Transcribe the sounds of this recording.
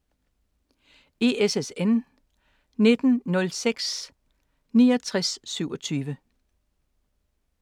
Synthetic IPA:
e̝esesen | ne̝d̥n̩nɔ̽lseɡ̥s | niːɒt͡sʰʁasːyʊɒ̽t͡sʰyːʋə

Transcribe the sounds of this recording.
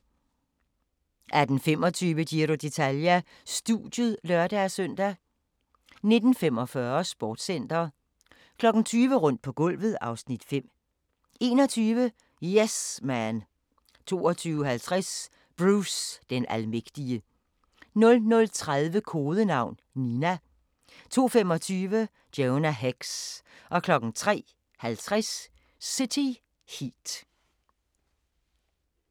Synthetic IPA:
ʔæɐd̥n̩fem̰ɒt͡sʰyːʋəɡ̥iɾo̝d̥e̝t͡sʰæljæ | sd̥ud̥jəð̩ˠlɶɐd̥æsœn̰d̥æ | ne̝d̥n̩fem̰ɒ̽fɶɐsb̥ɒːd̥sen̰d̥ɐː | kʰlɒ̽ɡ̥n̩t͡sʰyːʋəʁɔ̽n̰d̥̚pʰɒ̽ɡ̥ɔ̽l̰ʋð̞̩ˠɑ̈ʊsnid̥fem̰ | e̝ːnɒ̽t͡sʰyːʋə | jesmæn | t͡sʰo̝̰ːɒt͡sʰyːʊəɦælt͡sʰʁas | b̥ʁuːsd̥enʔælmeɡ̥d̥iə | nɔ̽lnɔ̽lt͡sʰʁaðˠʋəkʰo̝ːðˠənɑ̈ʊ̰nninæ | t͡sʰo̝̰ːfem̰ɒ̽t͡sʰyːʋə | d̥enæɦeɡ̥sʔɒ̽kʰlɒ̽ɡ̥n̩t͡sʰʁɛ̰ː | hælt͡sʰʁas | sit͡sʰi | hid̥

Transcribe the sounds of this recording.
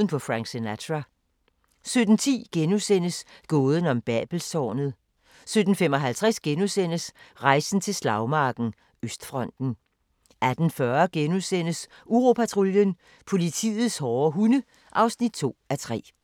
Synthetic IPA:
ən̩pʰɒ̽fʁɑ̈ŋɡ̥senæt͡sʰʁæ | sød̥n̩t͡sʰḭːɡ̥enusen̰əsɡ̥ɔ̽ːð̞ˠən̩ɒ̽mb̥ɛ̰ːb̥l̩sɒ̰ːnð̞̩ˠ | sød̥n̩femɒ̽ɦælt͡sʰʁɛsɡ̥enusen̰əsʁɑ̈ɪsn̩t͡sʰe̝lslɑ̈ʊmɑ̈ːɡ̥n̩ | øsd̥fʁɒ̽n̰d̥n̩ | ʔæd̥n̩fɶɐɡ̥enusen̰əs | uʁo̝pʰæt͡sʰʁuljən | pʰo̝lit͡sʰḭːð̩ˠshɒːɦunə | ʔɑ̈ʊsnid̥̚t͡sʰo̝̰ːæt͡sʰʁɛ̰ː

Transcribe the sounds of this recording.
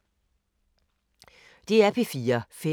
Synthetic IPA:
d̥e̝æɐpʰifiːɐfe

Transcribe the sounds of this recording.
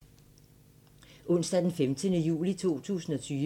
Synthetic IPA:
ʔɔ̽n̰sd̥æd̥enfemd̥ənəjṵːlit͡sʰo̝̰ːt͡sʰṵːsn̩ɒ̽t͡sʰyː

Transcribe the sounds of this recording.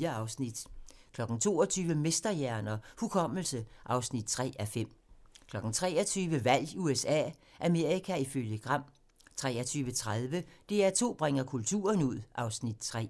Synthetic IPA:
ɐɑʊsnid̥kʰlɒ̽ɡ̥n̩t͡sʰo̝̰ːɒt͡sʰyːʋəme̝sd̥ɐjæɐnɐhukʰɒ̽m̰l̩səʔɑ̈ʊsnid̥̚t͡sʰʁɛ̰ːæfem̰kʰlɒ̽ɡ̥n̩t͡sʰʁɛ̰ːɒt͡sʰyːʋəʋæl̰uesɛ̰ːʔæme̝ɐ̰ikʰæiføljəɡ̥ʁɑ̈m̰ | t͡sʰʁɛːɐt͡sʰyːʋət͡sʰʁaðˠʋəd̥e̝æɐt͡sʰo̝̰ːb̥ʁɛŋɐkʰult͡sʰṵːɐnuð̞̰ˠʔɑ̈ʊsnid̥t͡sʰʁɛ̰ː

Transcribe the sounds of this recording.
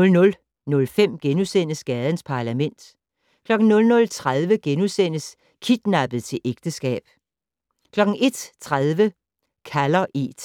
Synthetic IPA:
ɔ̽lnɔ̽l | nɔ̽lfem̰ɡ̥enusen̰əsɡ̥ɛð̞ˠən̩spʰɑ̈læmen̰d̥ | kʰlɒ̽ɡ̥n̩nɔ̽lnɔ̽lt͡sʰʁað̞ˠʋəɡ̥enusen̰əs | kʰid̥nɑb̥ð̩ˠt͡sʰe̝lʔeɡ̥d̥əsɡ̥ɛ̰ːb̥ | kʰlɒ̽ɡ̥n̩e̝d̥t͡sʰʁað̞ˠʋə | kʰælɐʔed̥

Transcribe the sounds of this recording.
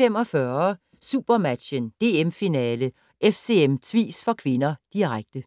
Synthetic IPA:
em̰ɒ̽fɶɐ | sṵb̥ɐmæd̥ɕənd̥e̝ːemfinɛːlə | ʔefse̝emt͡sʰʋḭːsfɒ̽kʰʋe̝nɐd̥iʁaɡ̥̚d̥ə

